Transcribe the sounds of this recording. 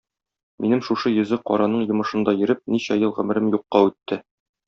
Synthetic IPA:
mʔinɘmʃuʃɤjɵ̆zɘqɒ̰ɾɑnɤɴjŏmɤ̆ʃɤ̆nd̪ɑjɘ̆ɾɘp̚niɕæjɤlˠʁɵ̆mɘ̆ɾɘmjuqːɑʉt̪ːɘ

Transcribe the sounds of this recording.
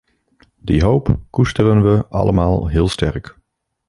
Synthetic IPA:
diɦowpkustərənʋəʔɑ̰lʔəmaːlˠɦɪːlˠstɛ̰rk

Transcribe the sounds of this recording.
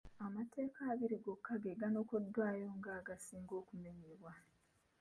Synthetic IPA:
amate̞ːkaːβiɾiɡo̞kʰːaɡeɡano̞ːkodːwaːjo̞ŋɡaːɡasiːŋɡo̞ːkumeɲeβwa

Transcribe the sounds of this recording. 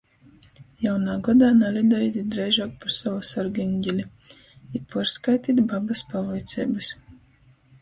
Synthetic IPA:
jawnaːɡɔd̪aːnalʲid̪ɔjit̪ʲid̪ɾɛjʒɔːk̚paɾsavɔsɔɾɡiŋɡʲɛlʲi | ipuɾskajt̪iːt̪babaspavajt̪sʲɛ̰jbɨs

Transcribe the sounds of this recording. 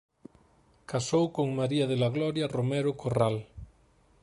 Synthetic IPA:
kasowkoŋmaɾiaðelaɣ̞lɔɾjaromɛɾokʰoral

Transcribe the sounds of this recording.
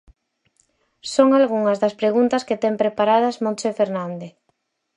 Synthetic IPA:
soŋalɣuŋɐzðɐspɾeɣunt̪ɐsket̪ɛmpɾepaɾað̞ɐzmõnsefeɾnãnd̪e

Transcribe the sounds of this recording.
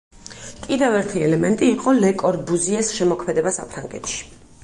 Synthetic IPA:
pʼid̪ɛvɛɾt̪ʰiɛlɛmɛnt̪ʼiːqʼɔlɛkʼɔɾbuziɛsʃɛmɔkʰmɛd̪ɛbasa̰pʰɾaŋɡɛ̰t̪ʰʃi̥

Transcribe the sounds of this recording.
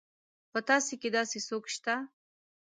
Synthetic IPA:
pət̪ɑseked̪ɑsesokʃt̪a

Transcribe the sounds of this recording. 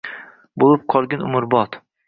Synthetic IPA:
bolˠɪp̚qʰɒlˠɡʲanʊ̰mʊɾbɒt̪

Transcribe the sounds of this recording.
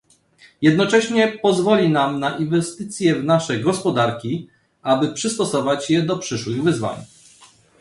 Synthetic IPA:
jɛd̪nɔt͡ʂɛɕɲɛpɔzvɔlʲinamnaʔinvɛst̪ɘt̪sʲjɛvnaʂɛɡɔspɔd̪aɾkʲi | abɘpʂɘst̪ɔsɔvat͡ɕjɛd̪ɔpʂɘʂwɘɣvɘzva̰ɲ

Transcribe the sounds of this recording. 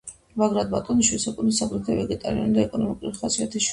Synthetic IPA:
vaɡɾad̪bat̪ʼɔniʃwisakʼunisaɡɾɛt̪ʰɛvɛɡɛt̪ʼa̰ɾiɔ̰nid̪aɛkʼɔnɔmikʼuliχasʼiat̪ʰiʃ

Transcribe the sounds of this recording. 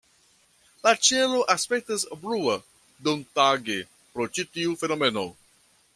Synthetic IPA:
lat͡ʃelo̞ʔaspek̚tasbɾua | dontaɡe | pɾot͡ʃitiufe̞nome̞no̰

